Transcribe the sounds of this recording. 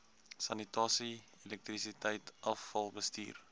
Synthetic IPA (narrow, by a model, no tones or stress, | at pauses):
sɐnitɑːsi | elɛk̚t̪risitəjtʔɐfːɐlˠbəstḭːr